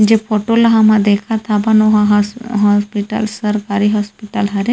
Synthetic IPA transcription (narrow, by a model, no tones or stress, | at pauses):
d͡ʒepʰoʈolaɦamad̪ɛkʰat̪ʰabanɔɦaɦɦɔspiʈa̰lsəɾkaɾiɦɔspiʈalɦaɾe